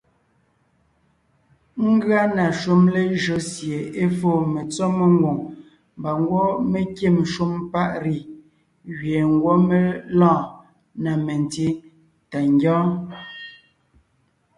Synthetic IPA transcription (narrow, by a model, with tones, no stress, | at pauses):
ŋ̩˦ɡɰa˦na˨ʃu˦mle˦ʒo˨˦sje˨e˦fo˦˨me˨t͡sɔ˦me˦ŋ˦ɡwo˨ŋ | m˨ba˨ŋ˦ɡwɔ˦me˦˨kje˦˨mʃu˦mpa˦ʔɾi˨ | ɥe˨ŋ˦ɡwɔ˦me˦lɔ̃ː˦˨ | na˨me˨nti˦ | ta˨ŋɡjɔ̃ː˦